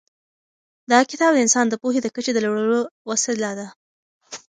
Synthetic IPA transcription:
d̪ɑkɪt̪ɑb̚d̪əɪnsɑnd̪əpoɦed̪əkət͡ʃed̪əlaɽəlowaselɑd̪a

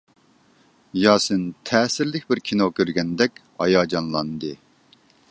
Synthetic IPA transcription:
jɑːsɨnt̪ʰɛːsɪɾlɪkʲbɪɾkʲʰinokʲøɾɡʲɛnd̪ɛkʲhɑ̰jɑːd͡ʒɑnlˠɑnd̪ɨ

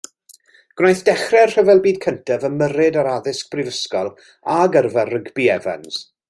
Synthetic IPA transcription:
ɡ̥najθd̥ɛχrɛrr̥əvɛlˠbiːd̥̚kʰəntʰɛvəmːəɾɨdaɾaðɪsk̚b̥rɪvəskɔlˠ | aɡərvarəɡbiɛva̰ns

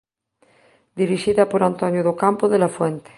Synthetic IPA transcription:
d̪iɾiʃiðapoɾant̪onjoðokampoðelafwẽnt̪e̥

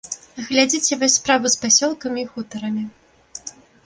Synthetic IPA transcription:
ɣlʲad͡zʲit͡sʲɛvɔsʲspɾavɨspasʲɔlˠkɐmʲiːxut̪ɐɾɐmʲi

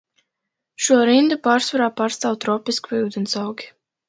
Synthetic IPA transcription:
ʃuɔɾind̪upaːɾsvaɾaːpaːɾst̪aːwt̪ɾɔpiskvuwd̪ɛnsawɡʲi̥

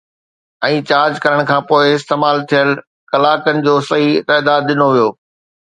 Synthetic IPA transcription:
ɛ̃ːt͡ɕaːɾd͡ʑkɐɾəɽ̃kʰãːpoːɪɪst̪eːmaːlt̪ʰijəl | kɐlaːkənɪ̆d͡ʑoːsɐɦit̪ɛːd̪aːd̪ːɪnoʋijoː

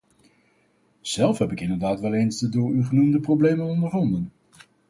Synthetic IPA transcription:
z̥ɛlˠfɦɛpɪkɪndəɹdaːtʋɛlˠejnzdədʊːɹyχənumdəprowblejmənɔndəɹɦɑndən

